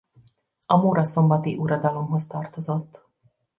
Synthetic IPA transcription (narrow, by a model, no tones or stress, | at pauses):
ɒmoːɾɒso̞mbɒt̪iʔuɾɒd̪ɒlo̞mɦo̞st̪ɒrt̪o̞zot̪ː